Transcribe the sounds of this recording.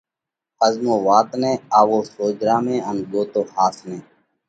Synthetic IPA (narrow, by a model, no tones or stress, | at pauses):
əzmoːʋaːt̪nẽːaːʋoːsoːd͡ʒɾaːmẽːənɡoːt̪oːhaːsnẽː